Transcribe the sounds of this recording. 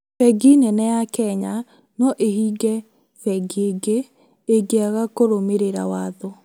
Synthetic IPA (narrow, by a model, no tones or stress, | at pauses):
fɛɡinɛnɛjakɛɲa | nɔʔehiːɡɛ | fɛɡeɡe | eɡeaɣakoɾomeɾeɾa̰waːðɔ